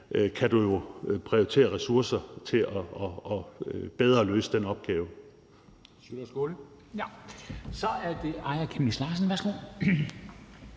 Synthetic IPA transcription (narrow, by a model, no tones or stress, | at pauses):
kʰæd̥ujo̝pʰʁiot͡sʰe̝̰ːɐʁɛsuɐ̰sɐt͡sʰe̝lɒɒb̥eð̞ˠɐlø̰ːsəd̥enɒ̽b̥̚ɡ̥ɛːʊ | ssɡ̥olə | sɒ̽æɐd̥e̝ɑ̈ɪɐkʰemnislɑ̈ːs̬n̩ʋæɐsɡ̥o̰